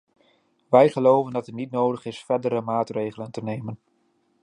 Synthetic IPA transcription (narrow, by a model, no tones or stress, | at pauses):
ʋɛjχəlowvəndɑtətnitnowdəχɪsfɛdəɾəmaːtrejχələntənejmən